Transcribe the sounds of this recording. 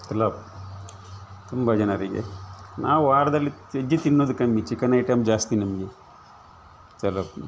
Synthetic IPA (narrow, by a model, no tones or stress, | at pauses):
t͡ʃɐlɐb̚ | t̪umbɐd͡ʒɐnɐɾiɡḛnaːwʋaːɾd̪ɐlːi | ed͡ʒit̪inːoːd̪ukɐmːit͡ʃːikɐnɐjʈɐmd͡ʒaːst̪inɐmɐɡe | t͡ʃɐlɐb